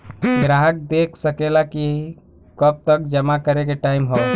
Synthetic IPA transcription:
ɡɾaɦək̚d̪ekʰsəkelaki | kəb̚t̪əkd͡ʒəmakəɾek̬eʈaimɦɔ

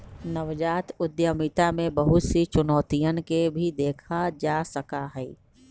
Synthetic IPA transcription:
nɐʋd͡ʒaːt̪ʊd̪jəmit̪amẽbɐɦʊt̪sit͡ʃʊnɔːt̪ijənkebʱid̪eːkʰad͡ʒaːsɐkaɦɛː

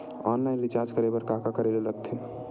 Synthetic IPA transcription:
ɔːnlaɪnɾɪt͡ʃaːɾd͡ʒkəɾebəɾkakakəɾelelət̪ʰːe

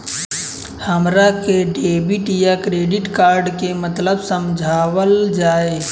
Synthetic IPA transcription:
həmɾakeɖeːbiʈjakɾeːɖɪʈkaːɾɖkemət̪ləbsəmd͡ʒʱaːwəld͡ʒaːe

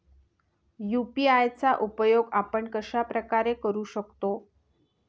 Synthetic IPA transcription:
jupiajt͡saʔupəjoɡapəɳkəɕapɾəkaɾekəɾuːɕəkt̪o

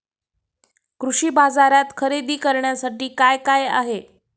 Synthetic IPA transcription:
kɾuʂiːbad͡zaɾjat̪kʰəɾed̪iːkəɾɳjasaʈiːkajkaja̰ɦe

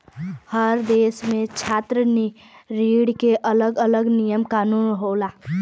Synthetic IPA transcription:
həɾd̪eːsmẽt͡ʃʰaːt̪ɾəni | ɾiɽkeʔələɡələɡnijəmkaːnunɦolaː

